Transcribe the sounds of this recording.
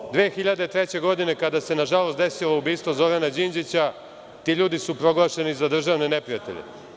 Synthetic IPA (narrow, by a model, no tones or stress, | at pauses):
d̪ʋeːxiʎad̪et̪ɾe̞t͡ɕe̞ɡo̞d̪ine̞kad̪ase̞naʒalo̞st̪d̪e̞siloubiːst̪ʋozo̞ɾanad͡ʑind͡ʑit͡ɕa | t̪iːʎuːd̪isupɾo̞ɡlˠaʃe̞nizad̪r̩ʒaːʋne̞ne̞pɾijat̪e̞̰ʎḛ